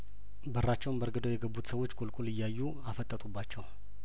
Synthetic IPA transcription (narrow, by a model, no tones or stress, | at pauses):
bəɾrːat͡ʃːɛwnbəɾɡəd̪ojɛɡəbːut̪səwo̞t͡ʃːkʼolkʼulɨjːajːu | afət̪ʼːət̪ʼubːat͡ʃːɛw